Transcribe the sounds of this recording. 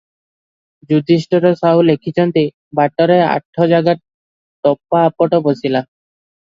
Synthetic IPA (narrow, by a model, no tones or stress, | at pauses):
d͡ʑud̪ʱiʃʈɔɾosaɦulekʰit͡ɕɔnt̪e | baʈːɔɾea̰ʈʰːɔd͡ʑaɡaɾ | t̪ɔpːaːpːɔʈobosila